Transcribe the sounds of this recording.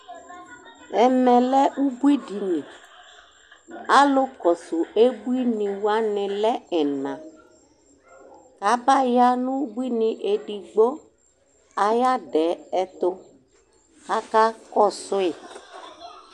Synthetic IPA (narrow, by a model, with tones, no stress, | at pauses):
ɛ˨mɛ̃˨lɛ˦u˦bu˦i˦di˨nĩ˨ | a˦lo˦kɔ˨su˨e˦bu˦i˦nĩ˨wa˦nɪ̃˨lɛ˦ɛ˨nã˨ | ka˨˦ba˦ja˦nũ˦bu˦i˦nĩ˨ʔe˨ɖi˨ɡ͡bo˦ | a˨ja˦ɖɛ˨˦ɛ˨t̪o˦ | ka˦ka˦kɔ˦sʊ˦e˨